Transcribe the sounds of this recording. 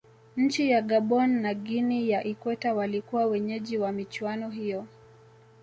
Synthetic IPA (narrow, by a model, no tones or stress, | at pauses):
ɲ̩t͡ʃijaɠaɓɔnːaɠinijaʔikwɛtawalikuwawɛɲɛʄiwamit͡ʃwanɔɦijɔ